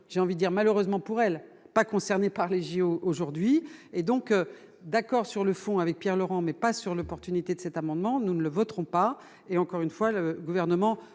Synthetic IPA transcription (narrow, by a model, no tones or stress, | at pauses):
ʒ̥eɑ̃vid̪d̪iʁmaløʁøzmɑ̃puʁɛl | pakɔ̃sɛʁnepaʁleʒioʔoʒuʁd̪ɥied̪ɔ̃kø | d̪akɔʁsyʁləfɔ̃avɛk̚pjɛʁlɔʁɑ̃mɛpasyʁlɔpɔʁt̪ynit̪ed̪əsɛt̪amɑ̃d̪mɑ̃nunələvɔt̪χɔ̃pa | eɑ̃kɔʁynfwaləɡuvɛʁnəmɑ̃